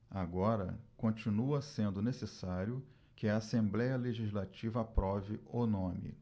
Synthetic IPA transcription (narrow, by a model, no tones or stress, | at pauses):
aɡɔɾɐ̰kõt͡ʃinuɐsẽnd̪ʊnesesaɾjʊ | kɪɐasẽmblɛjɐleʒizlat͡ʃivɐːpɾɔvɪʔonõmɪ̰